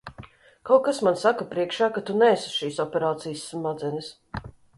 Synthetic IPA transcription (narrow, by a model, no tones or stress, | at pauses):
kawkasmansakapɾiɛkʃaːkat̪unɛːsu̥ʃiːsɔpʲɛɾaːt̪sijəsːmad̪zɛnɪs